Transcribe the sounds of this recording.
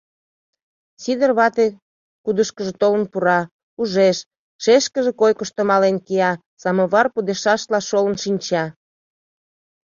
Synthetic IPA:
sid̪ərβɑt̪e | kud̪əʃkəʒet̪olənpuɾɑ | uʒeʃ | ʃeʃkəʒekojkəʃt̪omɑlenkiɑ | sɑmoβɑrpud̪eʃɑʃlɑʃolə̆nʃinʲt͡ɕɑ

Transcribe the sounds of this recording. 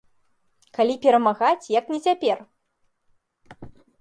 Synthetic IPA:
kalʲipʲɛɾɐmaɣat͡sʲjɐknʲɛt͡sʲapʲɛr

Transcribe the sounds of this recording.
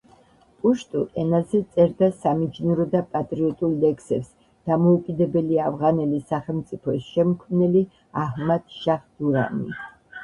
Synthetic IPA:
pʼuʃt̪ʼuʔɛnazɛt̪sʼɛɾd̪asamid͡ʒnuɾɔd̪apʼat̪ʼɾiɔt̪ʼulˠlɛkʰsɛps | d̪̥amɔukʼid̪ɛbɛliavʁanɛlisaχɛlˠmt̪sʼipʰɔsʃɛmkʰmnɛli | ahmad̪̥ʃaχd̪uɾa̰mḭ

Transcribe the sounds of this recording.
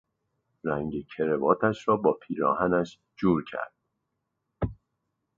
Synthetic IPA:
ɾæŋɟecʰe̞ɾe̞vɒːt̪ʰæʃɾɒːbɒːpʰiːɾɒ̰ːhænæʃ | d͡ʒuːɾcʰæ̰ɾd̪̥̚

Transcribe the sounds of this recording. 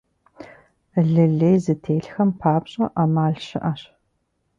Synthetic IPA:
ɮɨɮejzɨtʰeːɬxɐmpʰaːpɕʼɐʔamaːɮɕɪ̰ʔaɕ

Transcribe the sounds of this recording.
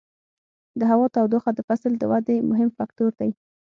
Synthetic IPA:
d̪əɦawɑt̪awd̪oxad̪əfasld̪əwad̪emʊɦɪmfak̚t̪oɾd̪aj

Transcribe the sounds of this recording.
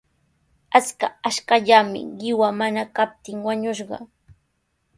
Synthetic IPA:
at͡skaaʃkaʎamɪ̰ɢɪwamanakap̚t̪ɪŋwaɲʊʃɢɑ̰

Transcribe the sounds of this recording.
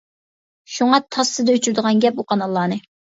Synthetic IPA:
ʃuŋɑt̪ʰɑsːɨd̪ɛøt͡ʃʰyɾd̪əʁɑnɡʲɛp̚oqʰɑnɑlˠːɑːnɨ

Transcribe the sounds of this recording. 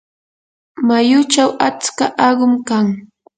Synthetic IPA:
majʊt͡ʃawat͡skaʔɑɢʊmkaŋ

